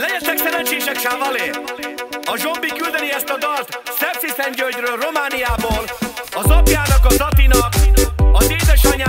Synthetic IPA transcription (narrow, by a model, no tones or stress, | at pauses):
lɛɟɛt̪ɛksɛɾɛnt͡ʃeːʃɛkʃaːvɒleː | ɒʒo̞mbikyld̪ɛniɛst̪ɒd̪ɒrt̪sɛpsisɛɲɟølɟrøːlro̞maːnijaːboːlɒzɒpjaːnɒkɒzɒt̪inɒkɒzeːd̪ɛʃɒɲa